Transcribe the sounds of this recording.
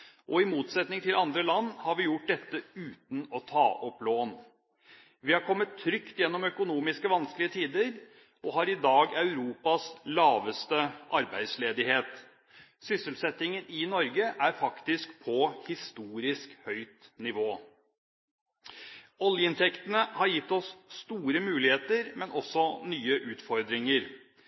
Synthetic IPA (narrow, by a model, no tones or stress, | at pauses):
ʔɔɪmuːt̪sɛt̪nɪŋt̪ʰɪlɑnd̪ɾəlɑnːhɑɾʋɪjʊʈ̚d̪ɛt̪ːəʉːt̪n̩ɔt̪ʰɑ̰ːʔɔploːn | ʋɪhɑɾkʰɔmːət̪ʰːɾʏkt̪jɛnːɔmœkʊnuːmɪskəʋɑnsklɪət̪ʰiːd̪əɾ | ɔɦɑɾɪd̪ɑːɡɑʉɾuːpɑslɑːʋəst̪əʔɑɾbæɪd̪sleːd̪ɪheːt̪ | sʏsəlsɛt̪ɪŋənɪnɔɾɡəʔæɾfɑkt̪ɪskpʰɔhɪst̪uːɾɪskhœʏt̪nɪʋoː | ɔljəɪnt̪ʰɛkt̪ənəhɑɾjɪt̪ːɔsːt̪uːɾəmʉːlɪheːt̪əɾmɛnʔɔsːɔnyːəʔʉːt̪fɔɾd̪ɾɪŋəɾ